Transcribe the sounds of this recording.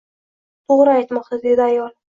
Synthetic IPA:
t̪ʰoʁɾɨajt̪mɒq̚t̪ʰad̪e̞d̪ɪajɒlˠ

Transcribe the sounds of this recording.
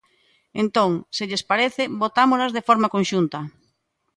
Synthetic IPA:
ent̪oŋseʎespaɾeθɪbot̪amolazðefɔɾmakõnʃunt̪ɐ

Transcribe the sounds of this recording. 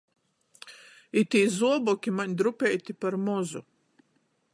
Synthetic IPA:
it̪iːzuɔbɔkʲimaɲʲd̪ɾupʲɛjt̪ipaɾmɔzu

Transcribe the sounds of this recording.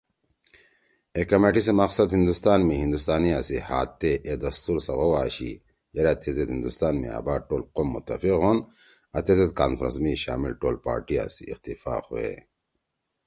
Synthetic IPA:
ekɐmeʈisemɐqsɐd̪hind̪ust̪aːnmiɦind̪ust̪aːniasihaːt̪ːeʔed̪ɐst̪uɾsɐɣowaːɕḭ | jɐɾat̪ʰezet̪hind̪ust̪aːnmḭa̰ːbaːʈoːlqomːut̪ːɐfiqɦon | ɐt̪ezet̪̚kaːnfɾɐ̰nsmiɕa̰ːmḭlʈoːlpaːɾʈia̰sḭixt̪ifa̰ːxuḛ

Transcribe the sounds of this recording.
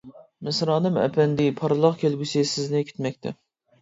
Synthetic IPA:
mɪsɾɑːnɨmɛ̰pʰɛnd̪ɪpʰɑɾɨlˠɑqkʲʰelɡʲysɪsɪznɪkʲʰi̥t̪mɛk̚ʲt̪ʰɛ

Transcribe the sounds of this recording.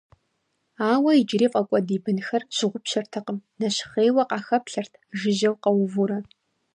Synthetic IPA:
aːwɐid͡ʒɪriːfʼɐkʷʼɔdiːbɨnxɐrɕɪʁʷʊpɕɐrtʰɐqəmnɐɕχeːwɐqɑːxɐpɬɐrtʰʒɪʒɐwqɐwʊvuɾɐ

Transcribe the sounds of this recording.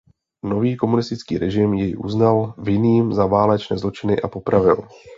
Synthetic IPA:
no̞viːko̞munɪst̪ɪt͡skiːɾɛʒɪmjɛjʔṵznalvɪniːmzavaːlɛt͡ʃnɛːzlo̞t͡ʃɪnɪʔapo̞pɾavɪl

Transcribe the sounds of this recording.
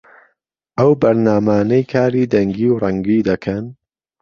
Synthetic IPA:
ʔɐwbɐɾnaːmaːnɐjkʰaːɾiːd̪ɐŋɡiːwrɐŋɡiːd̪ɐkʰɐn

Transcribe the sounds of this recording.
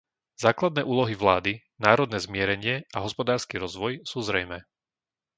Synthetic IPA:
z̥aːklad̪nɛːʔuːlɔɦiʋlaːd̪i | naːɾɔd̪nɛːzmɪɛɾɛɲɪɛʔaɦɔspɔd̪aːɾskiɾɔzʋɔjsuːzɾɛjmɛː

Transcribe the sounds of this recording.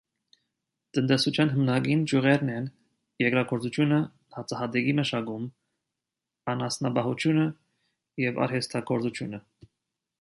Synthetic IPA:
t̪ənt̪ɛsut͡ʃʰjɑnɦəmnɑɡind͡ʒuʁɛɾnɛn | jɛkɾɑɡʰɔɾt͡sut͡ʃʰjunə | hɑt͡sɑhɑd̪ɛɡiməʃɑɡum | ɑnɑsnɑbɑɦut͡ʃʰjunə | jɛvɑ̰ɾhɛst̪ʰɑkʰɔɾt͡sut͡ʃʰjunə

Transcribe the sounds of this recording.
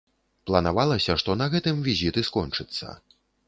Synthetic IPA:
plˠɐnavalˠɐsʲɐʂt̪ɔnɐɣɛt̪ɨmvʲizʲit̪ɨskɔnt͡ʂɨt̪sːɐ̰

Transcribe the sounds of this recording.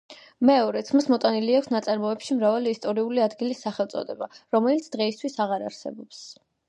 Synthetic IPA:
mɛɔɾɛt̪sʰmasmɔt̪ʼaniliakʷʰsnat̪sʼaɾmɔɛpʃimɾavaliːst̪ʼɔɾiuliad̪ɡilisːaχɛlˠt̪sʼɔ̰d̪ɛbaɾɔmɛlit̪sʰd̪̥ʁɛist̪ʰwisaʁaɾa̰ɾsɛ̰bɔps

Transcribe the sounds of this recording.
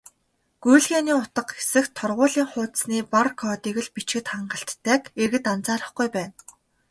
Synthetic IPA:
ɡ̥ujɮɣeːniːʊt̪ə̆qxe̥sɘ̆xt̪ʰɔrʁʊːɮiːŋχʊːt̪̆sniːparkʰɔːt̪iːɣɘ̆ɮpit͡ɕɡɘ̆t̪χaɴɢə̆ɬt̪ʰːæːkerɣɘ̆t̪ant͡saːɾə̆χɡujpæːn

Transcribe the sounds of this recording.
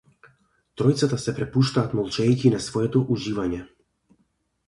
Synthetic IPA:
t̪ɾɔjt̪sat̪asɛpɾɛpuʃt̪aːt̪mɔlˠt͡ʃɛjkinasvɔjɛt̪ɔʔuʒivaɲɛ

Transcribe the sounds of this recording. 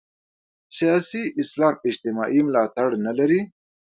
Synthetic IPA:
sijɑːsiʔɪslɑːmɪd͡ʒt̪ɪmɑ̰ːʔimʊlɑːt̪aɽnalaɾi

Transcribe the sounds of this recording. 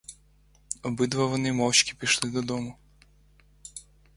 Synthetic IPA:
ɔbɪd̪ʋɐʋɔnɪmɔwt͡ʃkʲi̥pʲijʃlˠɪd̪ɔd̪ɔmʊ

